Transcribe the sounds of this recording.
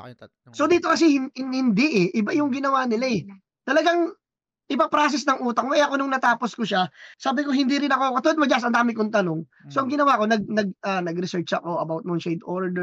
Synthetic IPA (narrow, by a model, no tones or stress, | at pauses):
so̞d̪iːt̪o̞kɐs̬ɛhɪnhɪnd̪ɛʔɛʔɪbajʊŋɡɪnɐwaːnɪlaɛ | t̪ɐlɐɡaŋ | ʔɪpɐpɾaːs̬ɪsnɐŋʔuːt̪ɐkmɐjɐkonʊŋnɐt̪aːposkoʃasaːbɪko̞hɪnd̪iɾɪnɐko̞kɐt̪ʊlɐd̪mɐd͡ʒas̬ɐnd̪aːmɪkont̪ɐno̞ŋ | soʔɐŋɡɪnɐwako̞nɐɡ̚nɐɡ̚anɐɡɾɪsɛɹt͡ʃɐ̰ko̞ʔɐbawt̪̚moŋʃɛjd̪oɹd̪ɛ